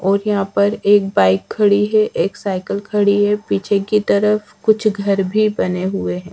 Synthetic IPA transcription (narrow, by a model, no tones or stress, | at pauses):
ɔːɾjɐɦãpɐɾeːk̚baːɪkʰːɐɽiɦɛʔeːksaːɪkəlkʰɐɽiɦɛpit͡ʃʰekit̪ɐɾəf | kʊt͡ʃʰɡʱɐɾbʱibɐneɦʊeɦɛ̃ː